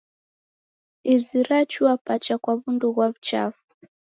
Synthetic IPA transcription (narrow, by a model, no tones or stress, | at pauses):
iziɾat͡ʃuapat͡ʃakwaβunduɣwaβut͡ʃa̰fu̥